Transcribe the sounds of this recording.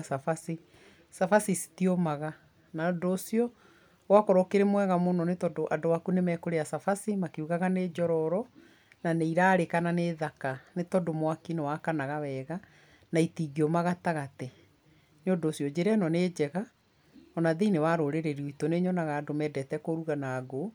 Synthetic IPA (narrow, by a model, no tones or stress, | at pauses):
safasi | safasisi̥tiɔmaɣa | naodosiɔ | wakɔɾɔkeɾemwɛɣamonɔnetɔdoʔadowakunemɛkoɾeasafasimakeuɣaɣaneːd͡ʒɔɾɔɾɔ | naneiɾaːɾekananeːðakanetɔdomwakinewakanaɣawɛːɣa | naitiɣiɔmaɣataɣatɛ | neondosiɔd͡ʑeɾɛnɔned͡ʑɛɣa | ɔnaðenewaɾoɾeɾeɾioitɔneɲɔnaɣaːdomɛːdɛtɛkoɾuɣanaɡo